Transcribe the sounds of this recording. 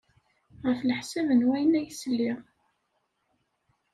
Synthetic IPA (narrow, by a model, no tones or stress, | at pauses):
ʁəfləħsævənwæjənæjslːiʁ